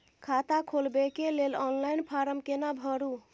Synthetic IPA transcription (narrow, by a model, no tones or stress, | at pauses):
kʰat̪akʰolbekelelɔnlajnpʰaɾəmkenabʱɔɾu